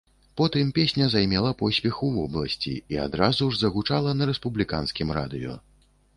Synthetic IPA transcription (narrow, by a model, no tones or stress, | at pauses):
pɔt̪ɨmpʲesʲnʲɐzajmʲɛlˠɐpɔsʲpʲɛxuvɔblˠɐsʲt͡sʲḭia̰d̪ɾazuʐzɐɣut͡ʂalˠɐnɐɾɛspublʲika̰nskʲimɾa̰d̪ɨjɔ̰